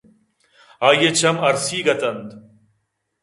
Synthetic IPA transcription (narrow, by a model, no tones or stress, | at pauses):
aːjet͡ɕʰɐmɐɾsiːɡɐt̪ɐnd̪